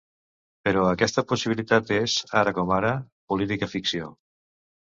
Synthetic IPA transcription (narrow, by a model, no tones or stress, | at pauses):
pəɾɔəkɛst̪əpusiβilit̪at̪ezaɾəkɔmaɾə | pulit̪ikəfiksio̰